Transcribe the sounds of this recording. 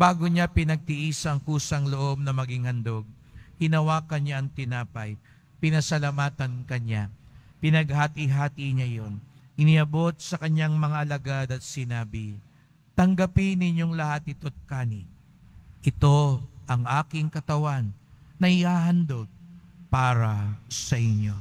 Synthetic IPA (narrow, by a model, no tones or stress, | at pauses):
baːɡoɲapɪnɐɡ̚t̪iʔiːsɐŋkuːsɐŋloʔo̞b̚nɐmɐɡiŋhɐnd̪o̞ɡ̚ | hɪnɐwaːkɐnɲaɐŋt̪ɪnaːpɐj | pɪnɐsɐlamaːt̪ɐnkɐɲa | pɪnɐɡ̚hat̪ɪɦaːt̪iɲajo̞nʔɪniʔɐbo̞t̪̚sɐkɐɲaŋmɐŋaʔɐlɐɡad̪ɐt̪̚sɪnaːbɪ | t̪ɐŋɡɐpɪnɪɲjo̞ŋlɐhat̪̚ɪt̪ot̪̚kaːnɪ | ʔɪt̪o̞ʔɐŋʔaːkɪŋkɐt̪ɐwanːɐhɪhaɦɐnd̪o̞ɡ̚paːɾɐsɐʔɪɲjo̞